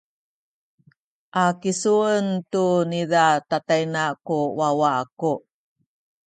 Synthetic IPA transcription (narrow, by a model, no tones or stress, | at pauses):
ʔakisuəntunidatatajnakuwawaaku